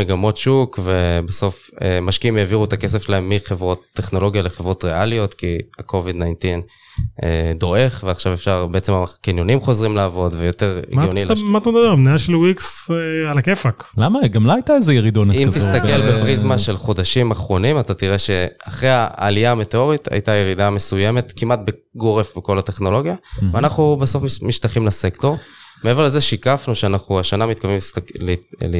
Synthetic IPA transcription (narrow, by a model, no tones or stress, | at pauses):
meɡamo̞tʃukve̞beso̞f | emaʃkiimeːviʁuet̪ake̞sefʃlae̞mːiχevʁo̞t̪ːeχno̞lo̞ɡijale̞χevʁo̞t̪ʁealijo̞t̪kiakʰo̞vid̪najntin | ed̪o̞e̞χveaχʃavefʃaʁbe̞et͡se̞makinjo̞nimχo̞zʁimlaːvo̞dvejo̞t̪e̞ʁḭmɡjonilamat̪amd̪abeʁmneaʃelwiksealakefaklamaɡamloajt̪aezejeʁid̪onimt̪ist̪ake̞lbepʁizmaʃe̞lχo̞d̪aʃimaχʁo̞nimat̪at̪iʁe̞ʃe̞a̰χʁea̰ːlijame̞teo̞ʁit̪ʰa̰jt̪aje̞ʁid̪ame̞suje̞me̞t̪kimat̪̚be | ɡo̞ʁefbeko̞late̞χno̞lo̞ɡjaveanaχnubaso̞fmmiʃt̪aχimlasekto̞ʁmeveleze̞ʃikafnuʃeanaχnuaʃanamit̪̚kaviml